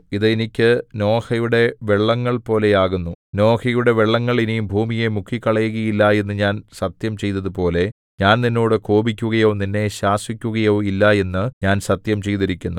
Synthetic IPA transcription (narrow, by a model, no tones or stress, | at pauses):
iðɨenikʲːɨno̞ːhɐjuɽe̞ʋeɭːɐŋːɐɭpo̞ːle̞jaːɣunːuno̞ːhɐjuɽe̞ʋeɭːɐŋːɐɭinijumbʱuːmije̞mukʰːikːɐɭɐjuɣɐjilːɐe̞nːɨɲaːnsɐt̪jɐmt͡ɕe̞jt̪ɐðɨpo̞ːle̞ | ɲaːnninːo̞ːɽɨko̞ːbikʲːuɣɐjo̞ːninːe̞ɕaːswikʲːuɣɐjo̞ːilːɐe̞nːɨɲaːnsɐt̪jɐmt͡ɕe̞jt̪iɾikʲːunːu